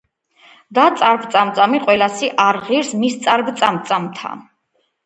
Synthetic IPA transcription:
d̪at̪sʼaɾɡ̚t̪sʼamt̪sʼamiqʼwɛlasiʔaɾʁiɾsmist̪sʼaɾbt̪sʼamt̪sʼamt̪ʰa̰

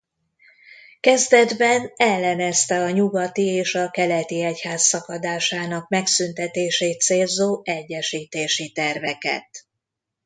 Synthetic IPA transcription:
kɛzd̪ɛd̪bɛnɛlːɛnɛst̪ɛɒɲuɡɒt̪ieːʃɒkɛlɛt̪iɛchaːsːɒkɒd̪aːʃaːnɒk̚mɛksynt̪ɛt̪eːʃeːt̪seːlzoːʔɛɟːɛʃiːt̪eːʃit̪ɛrvɛkɛ̰t̪

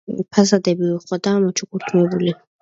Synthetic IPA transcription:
pʰasad̪ɛbiuqʼɔd̪aːmɔt͡ʃʰukuɾt̪ʰumɛbuli

